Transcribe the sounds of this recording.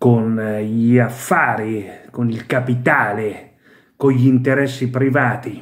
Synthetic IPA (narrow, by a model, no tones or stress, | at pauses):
konʎiafːaːɾikonilkapit̪aːle | koʎːiint̪eɾɛsːipɾivaːt̪i